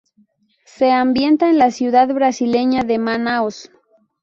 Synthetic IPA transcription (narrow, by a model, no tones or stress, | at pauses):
se̞ambje̞nt̪aenlasjuðaðβɾasile̞ɲaðe̞manaos